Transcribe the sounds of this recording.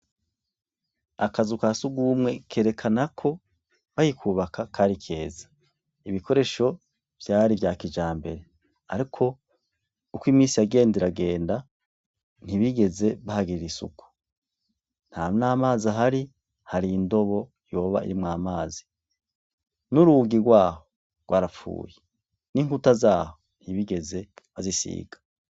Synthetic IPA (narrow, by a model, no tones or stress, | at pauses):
akazukasuɡuːmŋe̞kʰe̞ːɾe̞kʰanakʰo̞ | βajikʰuːβakakʰaɾikʰe̞ːzḁ | iβiko̞ɾe̞ʃo̞ | v̥jaːɾivjaːkid͡ʒaːmbe̞̰ɾe̞ | aɾikʰo̞ | ukwiːmiːsijaɡe̞ːndiɾaɡe̞ːnda | n̥iβiɡe̞ze̞βahaɡiɾiɾisṵku̥ | n̥haːmnaːmaːzaɦaɾi | haɾiːndo̞βo | jo̞ːβa̰ḭɾimŋaːmaːzi̥ | nuɾuɡiɾɡwaːho̞ | ɡwaɾafṵːje | niːŋhutazaːhon̥hiβiɡe̞ze̞βazisḭːɡ̥ḁ